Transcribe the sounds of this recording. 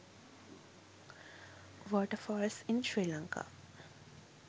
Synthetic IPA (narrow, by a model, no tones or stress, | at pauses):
ʋɔːʈəfɔːɾesinʃɹiːlaŋka̰